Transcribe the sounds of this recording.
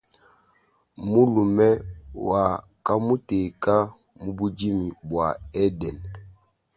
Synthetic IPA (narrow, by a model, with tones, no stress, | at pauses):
mu˦lu˨mɛ˦wa˨ | ka˦mu˦te˨ka˦ | mu˦bu˦d͡ʒi˦mi˨bwa˨ɛ˦dɛ˨n